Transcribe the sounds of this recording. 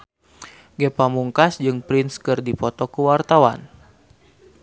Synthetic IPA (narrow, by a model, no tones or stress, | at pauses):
ɡɛpamuŋkasd͡ʒɨŋpɾinskɨrdipɔt̪ɔkuwart̪awa̰n